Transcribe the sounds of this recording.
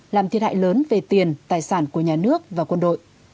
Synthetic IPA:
laː˨˩mt̪ʰi˨əha̰ː˧˨jləː˨˦nve˨˩t̪i˨˩ənt̪aː˨˩jsaː˧˩nku˧˩əɲaː˨˩nɨ˦˥ək̚vaː˨˩kwə˧nɗo̰˧˨jʔ

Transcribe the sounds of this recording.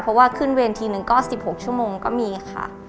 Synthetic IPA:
pʰɾɔ˧˥waː˥˩kʰɯ˥˩nweː˧nt̪ʰiː˧nɯ˧˩ŋkɔː˥˩ssi˨˩p̚ho˨˩k̚t͡ɕʰu˥˩əmoː˧ŋkɔ̰ː˥˩miː˧kʰa̰˥˩

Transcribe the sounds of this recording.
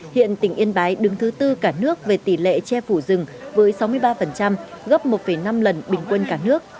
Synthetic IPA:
hḭ˧˨ənt̪ï˧˩ŋ̟ʔi˧ənɓaː˨˦jɗɨ˨˦ŋt̪ʰɨ˨˦t̪ɨ˧kaː˧˩nɨ˦˥ək̚ve˨˩t̪i˧˩lḛ˧˨t͡ɕɛ˧fu˧˩zɨ˨˩ŋvəː˨˦jsa˨˦wmɨ˧əjɓaː˧fə˨˩nt͡ɕa˧mɣə˦˥p̚mo˨˩t̚fə˧˩jna˧mlə˨˩nɓï˨˩ŋ̟kwə˧nkaː˧˩nɨ˦˥ək̚

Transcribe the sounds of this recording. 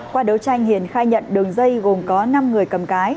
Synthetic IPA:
kwaː˧ɗə˨˦wt͡ɕa˧jŋ̟hi˨˩ənxaː˧jɲə̰˧˨nɗɨ˨˩əŋzə˧jɣo˨˩mkɔ˨˦na˧mŋɨ˨˩əjkə˨˩mkaː˨˦j

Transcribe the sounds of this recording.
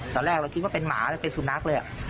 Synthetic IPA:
t̪ɔː˧ɾlɛː˥˩k̚ɾa˧wkʰi˦t̪̚waː˥˩pe˧nma̰ː˩˦ləː˧˩pe˧nsu˧˩na˦˥k̚lɤː˧ja̰˨ʔ

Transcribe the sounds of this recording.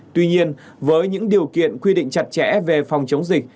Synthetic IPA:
t̪wi˧ɲi˧ən | vəː˨˦jɲɨ̰˧˥ŋɗi˨˩əwkḭ˧˨ənkwi˧ɗḭ˧˨ŋ̟t͡ɕa˨˩t̚t͡ɕɛ̰˧˥ve˨˩fa˨˩wŋ͡mt͡ɕə˨˦wŋ͡mzï˨˩k̟̚

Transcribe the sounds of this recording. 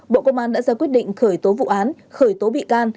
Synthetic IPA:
ɓo̰˧˨kə˧wŋ͡mʔaː˧nɗa̰ː˧˥zaː˧kwi˦˥ət̚ɗḭ˧˨ŋ̟xəː˧˩jt̪o˨˦vṵ˧˨ʔaː˨˦n | xəː˧˩jt̪o˨˦ɓḭ˧˨kaː˧n

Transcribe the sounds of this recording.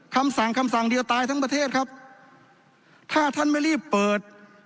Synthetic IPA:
kʰa˧msa˨˩˦ŋkʰa˧msa˨˩ŋdi˧əwt̪aː˧jt̪ʰa˦˥ŋpɾa˧t̪ʰeː˥˩t̪̚kʰa˦˥p̚ | t̪ʰaː˥˩t̪ʰa˥˩nma˥˩jɾiː˥˩pːɤː˨˩t̪̚

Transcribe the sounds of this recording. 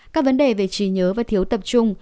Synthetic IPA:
kaː˦˥k̚və˨˦nɗe˨˩ve˨˩t͡ɕi˧˩ɲəː˨˦vaː˨˩t̪ʰi˨˦əwt̪ə˨˩p̚t͡ɕʊ˧ŋ͡m

